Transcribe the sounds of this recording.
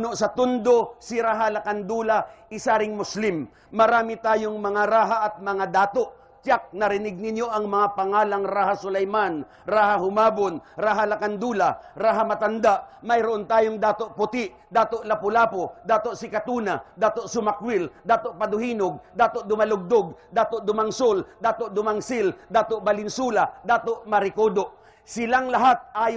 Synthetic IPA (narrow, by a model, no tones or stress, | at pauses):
noʔsɐt̪ʊnd̪o̞sɪɾaːɦalɐkand̪uːlaɪsaɾɪŋmʊslɪmː | ɐɾaːmit̪aːjoŋmɐŋaɾaːɦaʔɐt̪̚mɐŋad̪aːt̪oʔ | t͡ʃak̚nɐɾɪnɪɡ̚nɪnjo̞ʔɐŋmɐŋapɐŋaːlɐŋɾaːhasʊlɐjman | ɾaːhahʊmaːbonɾaːɦalɐkand̪uːlaɾaːɦamɐt̪and̪aʔmɐjɾʊʔont̪aːjoŋd̪aːt̪oʔpʊt̪ɪʔ | d̪aːt̪oʔlɐpʊlaːpod̪aːt̪oʔsɪkat̪uːnad̪aːt̪oʔsʊmakwɪld̪aːt̪oʔpɐd̪ʊhiːnoɡ̚d̪aːt̪oʔd̪ʊmalʊɡ̚d̪oɡ̚d̪aːt̪oʔd̪ʊmaŋsold̪aːt̪oʔd̪ʊmaŋsɪld̪aːt̪oʔbɐlɪnsuːlad̪aːt̪oʔmɐɾɪkoːd̪oʔ | sɪlaŋlɐɦat̪̚ʔaːj